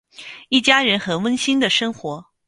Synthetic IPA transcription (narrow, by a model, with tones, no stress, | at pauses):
i˥˩t͡ɕja˥ɻə˧˥nxə˧˥nwə˥nɕi˥nd̪ə˨ʂɤ˥ŋxwɔ˧˥